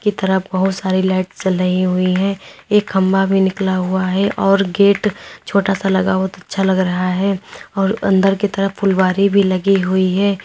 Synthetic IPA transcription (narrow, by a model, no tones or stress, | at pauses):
kit̪ɐɾəfbɐɦʊt̪saːɾilaːɪʈst͡ʃɐlːəɦiɦuiɦɛ̃ːeːkɦɐ̃mbabʱinɪklaɦuaɦɛʔɔːɾɡeːʈt͡ʃʰoːʈasalɐɡaːat̪ɐtːʃʰalɐɡɾɐɦaɦɛːɔːɾɐ̰̃nd̪əɾkit̪ɐɾəfpːʊlbaːɾibʱilɐɡiɦʊiɦɛː